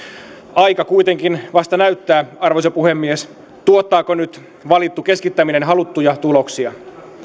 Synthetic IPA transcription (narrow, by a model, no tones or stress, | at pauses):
ɑjkɑkuit̪e̞ŋkinʋɑst̪ɑnæyt̪ːæːɑrʋoisepuhemːies | t̪uot̪ːɑːkonyt̪ | ʋɑlit̪ːuke̞skit̪ːæminenɦɑlut̪ːujɑt̪ulo̞ksiɑ